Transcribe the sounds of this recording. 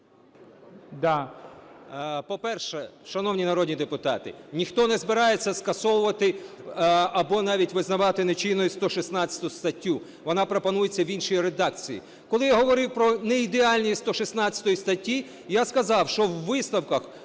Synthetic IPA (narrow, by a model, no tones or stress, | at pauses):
d̪ɑ | pɔpɛrʃɛʃɐnɔwnʲinɐɾɔd̪ʲnʲid̪epʊt̪ɑt̪ɪ̰nʲixt̪ɔnɛzbɪɾɑjet͡sʲːɐskɐsɔwʊʋɐt̪ɪ | ɐbɔnɑʋʲitʲʋɪznɐʋɑt̪ɪnet͡ʃinːɔjist̪ɔʃisnɑt͡sʲːɐ̥t̪ʊst̪ɐtʲːu | ʋɔnɑpɾɔpɐnujet͡sʲːɐʋʲinʃɔjiɾed̪ɑk̚t͡sʲijḭ | kɔlˠɪjaɦɔʋɔɾɪwpɾɔnɛid̪eɑlʲnʲijist̪ɔʃisnɑt͡sʲɐ̥t̪ɔjist̪ɐtʲːi | jaskɐzɑwʃt͡ʃɔwːɪsnɐwkɐx